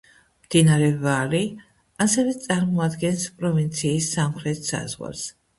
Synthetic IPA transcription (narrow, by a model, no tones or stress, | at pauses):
md̪̥inaɾɛvali | asɛvɛt̪sʼaɾmɔad̪ɡɛnspʼɾɔvint̪sʰiːsːamχɾɛt̪ʰsa̰zʁwa̰ls